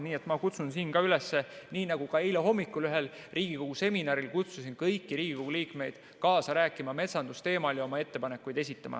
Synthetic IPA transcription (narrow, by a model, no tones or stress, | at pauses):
niːe̞t̪ːˑmɑkut̪sunsiːnkɑylesːeniːnɑɡ̥ukɑejleɦo̞mːikːˑulyɦe̞l | rʔiːɡ̥iko̞ɡ̥use̞minɑɾilkut̪susinkɤjkːiɾiːɡ̥iko̞ɡ̥uliːkme̞jd̪̥ | kɑːsɑɾæːkːˑimɑme̞t̪sɑnd̪ust̪e̞ːmɑljɑo̞mɑe̞t̪ːe̞pɑne̞kːujd̪̥e̞sit̪ːˑɑmʔɑ̰